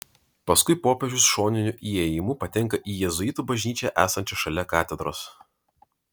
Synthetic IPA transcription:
pɐskʊɪpoːpʲɛʒʲʊsʃoːnʲɪnʲʊʔiːeːjɪmʊpɐt̪ʲɛŋˑkɐʔiːjɛzʊɪt̪uːbɐʒʲnʲiːt͡ʃʲɛʔæːsɐnʲt͡ʃʲɛʃɐlʲɛkɑːt̪ʲɛd̪ɾoːs

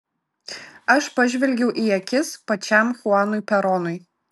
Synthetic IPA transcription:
ɐʃpɐʒʲʋʲɛlʲɡʲɛʊʔiːɛkʲɪspɐt͡ʃʲɛˑmxʊɑːnʊɪpʲɛɾɔːnʊɪ

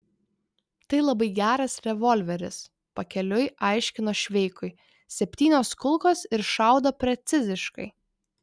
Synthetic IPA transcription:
t̪ɐɪlˠɐbɐɪɡʲæːɾɐsɾʲɛʋɔlʲʋʲɛɾʲɪs | pɐkʲɛlʲʊɪʔɑɪʃʲkʲɪnoːʃʲʋʲɛɪkʊɪ | sʲɛpʲt̪ʲiːnʲoːskʊlˠkoːsɪɾʃɑˑʊd̪oːpʲɾʲɛt̪sʲɪzʲɪʃkɐ̰ɪ

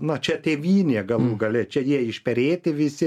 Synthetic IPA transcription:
nɐt͡ʃʲɛt̪ʲeːʋʲiːnʲeːɡɐlˠuːɡɐlʲɛt͡ʃʲɛjiɛɪʃpʲɛɾʲeːt̪ʲɪʋʲɪsʲɪ

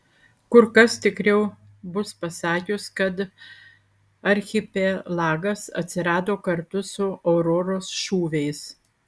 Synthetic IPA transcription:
kʊɾkɐst̪ʲɪkɾʲɛʊ | bʊspɐsɑːkʲʊskɐt̪ | ɐɾʲxʲɪpʲeːlˠɑːɡɐsɐ̰t̪ʲsʲɪɾɑːd̪oːkɐɾt̪ʊsʊoːɾɔɾoːsʃuːʋʲɛɪs

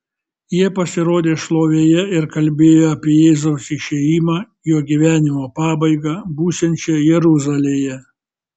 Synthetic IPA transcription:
jiɛpɐsʲɪɾoːd̪ʲeːʃlˠoːʋʲeːjɛɪɾkɐlʲbʲeːjoːɐpʲiɛjeːzɐʊsɪʃʲeːjiːmɑː | joːɡʲiʋʲæːnʲɪmoːpɑːbɐɪɡɑːbuːsʲɛnʲt͡ʃʲɛjɛɾʊzɐlʲeːjɛ

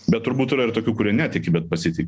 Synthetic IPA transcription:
bʲɛt̪ːʊɾbuːt̪ɪɾɐɪrt̪oːkʲuːkʊɾʲiɛnʲæːt̪ʲɛɪkʲibʲɛt̪̚pɐsʲɪt̪ʲɪkʲ

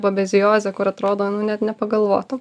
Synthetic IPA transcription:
bobʲɛzʲɪjoːzʲɛkʊɾɐt̪ɾoːd̪oːnʊnʲɛt̪nʲɛpɐɡɐlˠʋo̰ːt̪ʊ

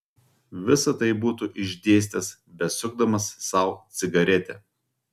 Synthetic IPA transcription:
ʋʲɪsɐt̪ɐɪbuːt̪uʔɪʒʲd̪ʲeːsʲt̪ʲɛs | bʲɛsʲʊɡ̚d̪ɐmɐsːɐˑʊt̪sʲɪɡɐɾʲɛt̪ʲɛ̰

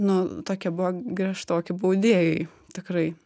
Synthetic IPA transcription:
nʊt̪oːkʲɛbʊʋɐɡɾʲiɛʃt̪oːkʲɪbuʊd̪ʲeːjɛɪ | t̪ʲɪkɾɐɪ

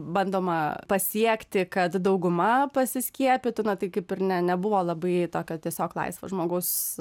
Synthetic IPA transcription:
bɐnd̪oːmɐpɐsʲiɛkt̪ʲɪkɐt̪d̪ɐʊɡʊmɐpɐsʲɪsʲkʲiɛpʲɪt̪ʊnɐt̪ɐɪkɐɪpɪɾnʲɛnʲɛbʊʋoːlˠɐbɐɪt̪oːkʲɛt̪ʲiɛsʲoːklˠɐ̰ɪsʋɐ̰ʒmoːɡɐʊs

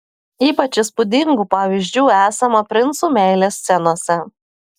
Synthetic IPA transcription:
iːpɐt͡ʃʲɪspʊd̪ʲɪŋɡuːpɑːʋʲiʒʲd͡ʒʲuːæːsɐmɐpʲɾʲɪnt̪suːmʲæˑɪlʲeːsʲsʲɛnoːsʲɛ

